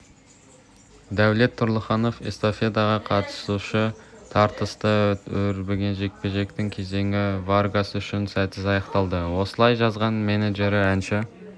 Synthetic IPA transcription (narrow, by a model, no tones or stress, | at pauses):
d̪æwle̞t̪ʰːʊɾlˠəχɑno̞fḛst̪o̞fe̞d̪ɑʁɑqʰɑt̪ə̥suʃət̪ʰɑɾt̪əst̪əɵɾbeɡʲe̞nʒe̞k̚pe̞ʒe̞kt̪ɪŋkʲʰe̞ze̞ŋɪvarɡasʏʃɪnsæt̪ɪzɑjɑqt̪ɑlˠd̪əwo̞səlˠɑjʒɑzʁɑnme̞neʒe̞ɾɪænʃɪ